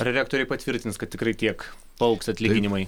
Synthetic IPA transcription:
ɐɾʲɛɾʲæːk̚t̪oːɾʲɛɪpɐt̪ʲʋʲɪɾʲt̪ʲɪnskɐt̪̚ʲtʲɪkrɐɪt̪ʲiɛk | pɐʊksɐt̪ʲlʲɪɡʲɪnʲɪmɐɪ

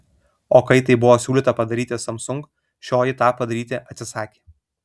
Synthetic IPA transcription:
oːkɐɪt̪ɐɪbʊʋoːsʲuːlʲiːˑt̪ɐpɐd̪ɐɾʲiːt̪ʲesɐmsʊŋk | ʃʲoːjɪt̪ɑːpɐd̪ɐɾʲiːt̪ʲeʔɐt̪ʲsʲɪsɑːkʲeː

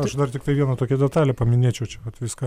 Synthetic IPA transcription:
ɐʃd̪ɐrt̪ʲɪkt̪ɐɪʋʲiɛnɐt̪oːkʲɛd̪ʲɛt̪ɑːlʲɛpɐmʲɪnʲeːt͡ʃʲɛʊt͡ʃʲɛʋɐt̪ʋʲɪskɐ

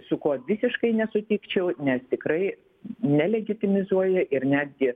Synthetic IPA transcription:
sʊkoːʋʲɪsʲɪʃkɐɪnʲɛsʊt̪ʲiːkt͡ʃʲɛʊnʲɛst̪ʲɪkɾɐɪ | nʲɛlʲɛɡʲɪt̪ʲɪmʲɪzuɔjɛʔɪrnʲæːd̪ʲɡʲɪ

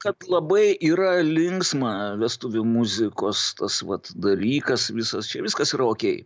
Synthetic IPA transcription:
kɐt̪lˠɐbɐɪiːɾɐlʲɪŋksmɐʋʲɛst̪ʊʋʲʊmʊzʲɪkoːst̪ɐsʋɐt̪d̪ɐlʲiːkɐsʋʲɪsɐst͡ʃʲɛʋʲɪskɐsiːɾɐoːkʲɛɪ

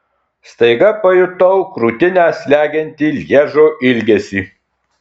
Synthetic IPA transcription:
st̪ɐɪɡɐpɐjʊt̪ɔʊkɾuːt̪ʲɪnʲæːsʲlʲæːɡʲɛnʲt̪ʲiːlʲiɛʒoːʔɪlʲɡʲɛsʲiː

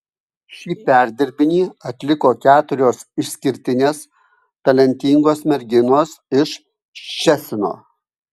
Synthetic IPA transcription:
ʃʲiːpʲæˑɾʲd̪ʲɪɾʲbʲɪnʲiːɐt̪ʲlʲɪkoːkʲæːt̪ʊɾʲoːsɪʃʲsʲkʲɪɾʲt̪ʲɪnʲeːs | t̪ɐlʲɛnʲt̪ʲiŋɡoːsmʲɛɾʲɡʲɪnoːsɪʃ | ʃʲɛsʲɪno̰ː

